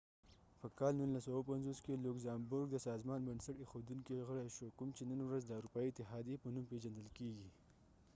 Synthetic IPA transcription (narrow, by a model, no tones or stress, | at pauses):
pəkɑlnunlasawapanzoskelʊkzɑmbʊɾɡ̚d̪əsɑzmɑnbənsaʈexod̪uŋkiɣəɽaʃokʊmt͡ʃenənwɾazd̪əawɾupɑiɪt̪ɪɦɑd̪jepənumpeʒand̪əlkeɡi